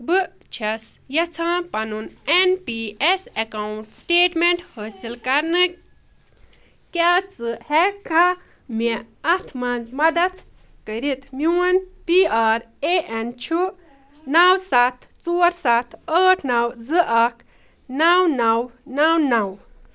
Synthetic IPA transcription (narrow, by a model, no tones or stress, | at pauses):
bɨ | t͡ʃʰɐsjɐt͡sʰãːpɐnunenpiesɐkawuɳʈsʈeːʈmeɳʈhəːsilkɐɾnɨ | kʲat͡sɨhɛka | me | ɐt̪ʰmãːnd͡zmɐd̪ɐt̪ | kəɾit̪ʰmiwɐnpiaːɾ | eʔent͡ʃʰu | nawsat̪ʰt͡suːɾsat̪ʰəːʈʰnɐwzɨʔɐkʰ | nawnɐwnawnɐw